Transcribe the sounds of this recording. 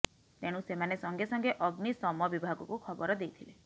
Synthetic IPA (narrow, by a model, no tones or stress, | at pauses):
t̪eɽ̃ũsemanesɔŋɡesɔŋɡeʔɔɡnisɔmɔbibʱaɡɔkukʰɔbɔɾɔd̪ejt̪ʰile